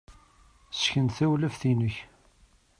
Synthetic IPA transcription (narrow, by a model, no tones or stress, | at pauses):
sçənt̪θæwlæfθinəç